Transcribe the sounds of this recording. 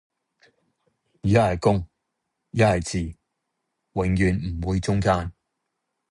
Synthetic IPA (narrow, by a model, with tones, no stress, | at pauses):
yː˨jɐ˥hɐ˨jkʊ˥ŋ | jɐ˥hɐ˨˩jt͡siː˨ | wɪ˨˩ŋjyː˨nm̩˨˩wuː˨˧jt͡sʊ˥ŋkaː˥n